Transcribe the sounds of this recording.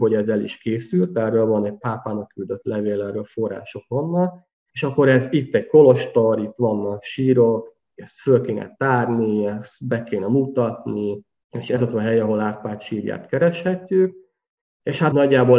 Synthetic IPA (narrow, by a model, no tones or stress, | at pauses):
ɦo̞ɟɛzɛlḭʃkeːsylt̪ɛrøːlvɒnɛɟ̚paːpaːnɒkːyld̪ø̞t̪lɛveːlɛrːøːlfo̞rːa̰ːʃo̞kvɒnːɒk | eʃɒkːo̞ɾɛzit̪ːɛɟ̚ko̞lo̞ʃt̪oɾit̪ːʋɒnːɒkʃiːɾok | ɛst̪følkeːnʔɛ̰t̪aːrniɛst̪bɛkeːnɛmut̪ɒt̪ni | eːʃɛzɒt̪ɒɦɛjɒɦo̞laːt̪paːt̪ʃiːɾja̰ːt̪kɛɾɛʃhɛcːyk̚ | eːʃhat̪nɒɟːaːbo